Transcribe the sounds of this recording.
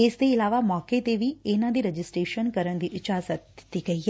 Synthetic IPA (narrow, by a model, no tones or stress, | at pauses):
eːsd̪eɪlaːʋamɔːket̪eːʋienãd̪iɾɐd͡ʒɪsʈɾeːʃənkəɾəɳ̃d̪iʔɪt͡ʃaːzət̪ːiɡɐie